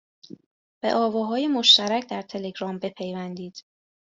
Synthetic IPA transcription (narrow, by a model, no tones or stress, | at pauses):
b̥e̞̰ʔɒːvɒːɦɒːjemo̞ʃt̪æɾæcʰd̪æɾt̪ʰe̞le̞ɡɾɒːmbe̞pʰejvænd̪iːd̪̥